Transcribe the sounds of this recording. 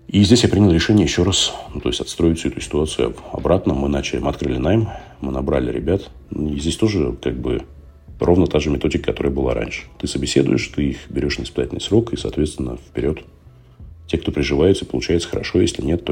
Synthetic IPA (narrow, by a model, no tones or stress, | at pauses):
izʲdʲesʲjapɾʲinɪlˠɾʲɪʂɛnʲɪjəjɪɕːo̞ɾasnut̪o̞ɪsʲtʲɐt̪st̪ɾo̞jɪsʲʊɛt̪ʊsʲɪ̥t̪ʊat̪sɨjʊ̰ɐ̰bɾat̪nəmɨnat͡ɕɪlʲɪmɐt̪kɾɨlʲɪnajɪm | mɨnɐbɾa̰lʲɪ̰ɾʲɪ̰bʲat̪ | izʲdʲesʲt̪o̞ʐɨkaɡ̚bɨ̰ | rʔo̞vnət̪aʐɨmʲɪt̪o̞dʲɪkəkɐt̪o̞ɾəjəbɨlˠa̰ɾʔa̰nʲʂɨ̥t̪ɨsəbʲɪsʲe̞d̪ʊ̰jɪʂt̪ɨixbʲɪɾʲo̞ʂnʲəvɪspʲɪzatʲlnɪ̰sɾo̞kɨsɐ̰ːt̪vʲet̪st̪vɪnːə̰fpʲɪɾʲo̞t̪ | tʲekt̪o̞pɾʲɪʐɨvajɪt̪səɪpəlˠʊt͡ɕæjɪt̪sə̥xəɾɐ̰ʂo̞jesʲlʲɪ̰nʲe̞t̪ːo